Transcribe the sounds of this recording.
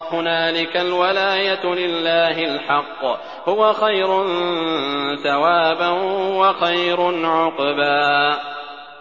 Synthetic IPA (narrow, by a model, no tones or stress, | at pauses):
hʊnaːlɪkalwalaːjalɪlːaːɦɪlħɑqː | hʊwaxajɾʊn | θawaːbanhʊwaxajɾʊnʕʊqbaː